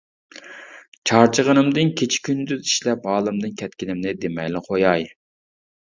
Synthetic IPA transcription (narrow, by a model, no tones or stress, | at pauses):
t͡ʃʰɑɾt͡ʃʰəʁənɨmd̪ɨnkʲʰet͡ʃʰi̥kʲʰynd̪yziʃlɛpɑːlˠɨmd̪ɨnkʲʰɛt̪̚kʲinɪmnɪd̪emɛjlɪχojɑj